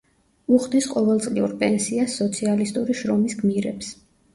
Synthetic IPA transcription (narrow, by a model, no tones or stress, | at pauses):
uχd̪isqʼɔvɛlˠt̪sʼliuɾpʼɛnsiasːɔt̪sʰialist̪ʼuɾiʃɾɔmisɡmiɾɛps